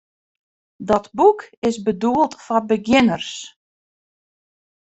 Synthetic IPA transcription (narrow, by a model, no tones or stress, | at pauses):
dɔtbukɪsbəduəlˠtfɔbəɡjɪnərs